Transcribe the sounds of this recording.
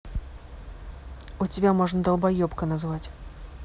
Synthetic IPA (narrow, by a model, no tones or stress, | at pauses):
ʊtʲɪbʲamoʐnəd̪ɐlˠbajɔpkənazvatʲ